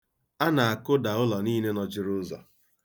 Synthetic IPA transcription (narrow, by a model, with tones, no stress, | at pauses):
a˦na˨a˨kʊ˦da˨ʊ˦lɔ˨niː˦ne˦nɔ˨d͡ʒɪ˦ɾʊ˦zɔ̰˨